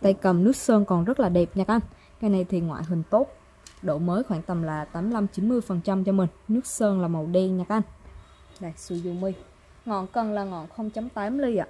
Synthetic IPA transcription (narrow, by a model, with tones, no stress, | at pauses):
t̪a˧jkə˨˩mnɨ˦˥k̚səː˧nkɔ˨˩nzə˦˥t̚laː˨˩ɗe˨˩p̚ɲaː˨˩kʔa˧n | kaː˧jna˧˩jt̪ʰi˨˩ŋwa̰ː˧˨jɦï˨˩ŋ̟t̪o˦˥t̚ | ɗo˧˩məː˨˦jxwaː˧˩ŋt̪ə˨˩mlaː˨˩t̪aː˨˦mla˧mt͡ɕi˨˦nmɨ˧əjfə˨˩nt͡ɕa˧mt͡ɕɔ˧mï˨˩ŋ̟nɨ˦˥ək̚səː˧nlaː˨˩mə˨˩wɗe˧ɲa˨˩k̚ʔa˧n | ɗaː˨˩jsu˧zu˧mi˧ | ŋɔ̰˧˨nkə˨˩nlaː˨˩ŋɔ̰˧˨nxə˧wŋ͡mt͡ɕa˨˦mt̪aː˨˦mli˧ʔa̰ː˧˨˩